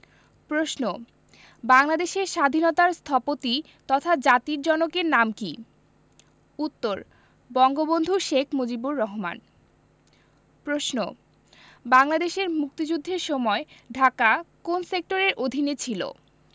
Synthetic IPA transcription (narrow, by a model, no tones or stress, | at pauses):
pɾosno | baŋlad̪eʃeɾʃad̪ʱinot̪aɾst̪ʰɔpot̪i | t̪ɔt̪ʰad͡ʑat̪iɾd͡ʑɔnokeɾnamki | ut̪ːoɾ | bɔŋɡobond̪ʱuʃekʰmod͡ʑibuɾːɔɦoma̰n | pɾoʃno | baŋlad̪eʃeɾmuk̚t̪id͡ʑud̪ʱːeɾʃɔmɔeɖʱakakonsek̚ʈoɾeɾʔod̪ʱinet͡ɕʰilo̰